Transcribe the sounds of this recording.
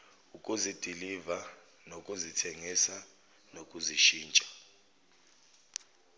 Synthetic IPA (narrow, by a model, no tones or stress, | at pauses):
ukʼuzid̥ʱiliva | nokʼuzitʰeŋisa | nokʼuziʃiːnt͡ʃʼḁ